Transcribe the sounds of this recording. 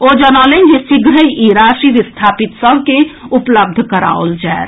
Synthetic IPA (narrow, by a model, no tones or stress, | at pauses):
od͡ʒənalend͡ʒisiɡɾəiʔiɾaːʃiʋist̪ʰaːpit̪sə̃ŋkẽupləb̚d̪ʱkəɾa̰ːold͡ʒaeɾ